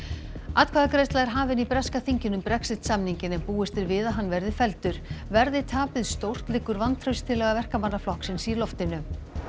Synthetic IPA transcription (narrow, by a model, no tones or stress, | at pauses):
at̪kʰvaːðkɾejst̪laðɛɾ̥ɦaːvɪnipɾɛskaθiɲcɪnʏmpɾɛksɪt̪samniɲcɪnɛmpuːɪst̪ɪɾvɪðaɦanːvɛɾðɪfɛlt̪ʏɾ̥vɛɾðɪt̪ʰaːpɪðst̪owr̥t̪lɪːkːʏɾvant̪ʰɾœɥst̪ʰɪlːɛɣavɛr̥kamanːaflɔhksɪnsilɔft̪ɪnʏ